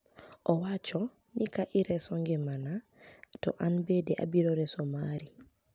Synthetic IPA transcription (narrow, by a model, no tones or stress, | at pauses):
ʔɔwat͡ʃɔ | nikaʔiɾɛsɔŋɡɛmana | tɔ̰ʔanbedɛʔa̰biɾoɾɛsomaɾi